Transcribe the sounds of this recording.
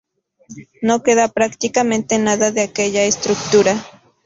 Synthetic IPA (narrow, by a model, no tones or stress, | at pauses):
nokeðapɾakt̪ikamẽnt̪enaðaðeakeʎaest̪ɾuk̚t̪uɾa